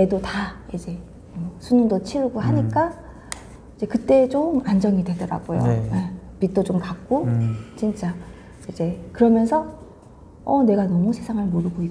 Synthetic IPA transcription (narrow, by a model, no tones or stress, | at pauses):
e̞dotaid͡ʑe̞ | ʌsʰunuŋdot͡ɕʰiɾɡoɦaɲik͈a | id͡ʑe̞kɯt͈e̞ːt͡ɕomand͡ʑʌŋidwe̞dʌɾa̰ɡojo̰epit̚t͈ot͡ɕomkak̚k͈ot͡ɕint͡ɕ͈a | id͡ʑe̞kɯɾʌmjʌnsʰʌ | ʌne̞ɡanʌmusʰe̞sʰaŋɯɭmoɾɯɡoi